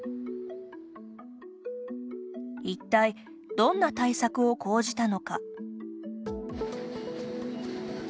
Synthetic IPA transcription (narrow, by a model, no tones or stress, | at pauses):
it̪ːai | d̪̥õ̞nːat̪aisakɯ̟o̞kʰo̞ːʑit̪ano̞ka